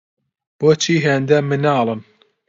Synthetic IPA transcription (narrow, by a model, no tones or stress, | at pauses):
b̥ot͡ʃʰiːɦend̪ɐmɨnɑːlˠɨm